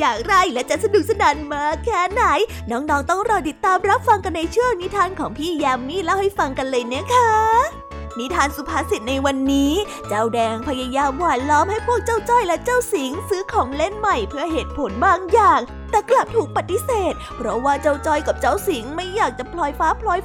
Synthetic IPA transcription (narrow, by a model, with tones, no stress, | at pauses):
jaː˨˩k̚ɾa˧jlɛ˦˥t͡ɕa˨˩sa˧du˨˩k̚sa˧naː˩˦nmaː˧kʰɛː˦˥naː˨˩˦j | nɔː˦˥ŋnɔː˦˥ŋt̪ɔ˥˩ŋɾɔː˧t̪i˨˩t̪ːaː˧mɾa˦˥p̚fa˧ŋka˧nːa˧jt͡ɕʰɯ˥˩əŋni˦˥t̪ʰaː˧nkʰɔː˩˦ŋpʰiː˥˩jɛː˧mːiː˥˩la˦˥˩wha˥˩jfa˧ŋka˧nlɤː˧jna˦˥˩kʰa˦˥ | ni˦˥t̪ʰaː˧nsu˨˧˦pʰaː˧˥si˨˩t̪̚na˧jwa˧nːiː˦˥ | t͡ɕa˥˩wdɛː˧ŋpʰa˧ja˧jaː˧mwaː˨˩t̪̚lɔː˦˥mha˥˩jpʰu˥˩ək̚t͡ɕa˥˩wt͡ɕɔː˥˩jlɛ˦˥t͡ɕa˥˩wsi˨˩˦ŋsɯː˦˥kʰɔː˨˩˦ŋle˥˩nma˨˩jpʰɯ˥˩əɦeː˨˩t̪̚pʰo˩˦nbaː˧ŋjaː˨˩ŋ | t̪ɛː˨˩kla˨˩p̚t̪ʰuː˨˩k̚pa˨˩t̪ːi˦˥seː˨˩t̪̚pʰɾɔ˦˥waː˥˩t͡ɕa˥˩wt͡ɕɔː˧jka˨˩p̚t͡ɕa˥˩wsi˨˩˦ŋma˥˩jːaː˨˩k̚t͡ɕa˨˩pʰlɔː˧jfaː˦˥pʰlɔː˧j